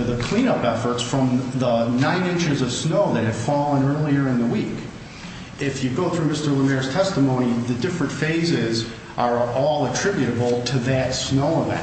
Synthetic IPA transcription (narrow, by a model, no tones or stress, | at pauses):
ðəkʰl̥ĩnʌpɛfə˞tsfɹʌ̃mðənãɪ̃nɪ̃nt͡ʃə˞zʌv̥snoʊðɨt̚hɨd̥fɔlˠə̃nɜ˞lˠiə˞ɨ̃nðəwik | ɪfjɨɡoʊθɹʉmɪstə˞ləmɛɹz̥tʰɛstəmõʊ̃ñiðɨdɪfɹɨ̃ntfeɪzɪz | ʔə˞ɔlˠətʰɹ̥ɪbjɨɾɨbl̩ˠtʰɨðɨtsnoʊəvɛ̰̃n